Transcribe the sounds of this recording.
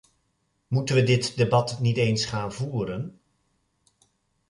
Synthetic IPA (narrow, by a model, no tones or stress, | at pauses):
mutənʋədɪtdebɑtnitejnsχaːnvuːɾən